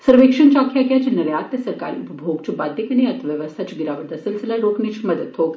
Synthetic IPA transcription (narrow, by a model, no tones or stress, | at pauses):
səɾʋekʂunt͡ʃakʰjakjat͡ɕinəɾjat̪jɐsəɾka̰ːɾḭupɐbʱoɡt͡ʃiupaːd̪ʱːikɐniɐt̪ʰʋjəʋəst̪ʰat͡ʃiɡiɾaʋəɾd̪ɐsəlsəlaɾokɳit͡ʃʰməd̪ət̪ɦoːɡ